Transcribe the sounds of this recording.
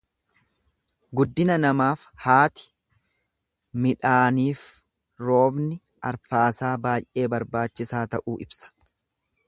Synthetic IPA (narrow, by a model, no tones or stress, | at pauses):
ɡʊd̪ːɪnɐnɐmaːfhaːt̪ɪ̥ | mɪᶑaːniːf | ɾo̞ːbnɪ | ʔɐɾfaːsaːbaːjʔe̞ːbɐɾbaːt͡ʃːɪsaːt̪ɐʔuːʔɪbsɐ̥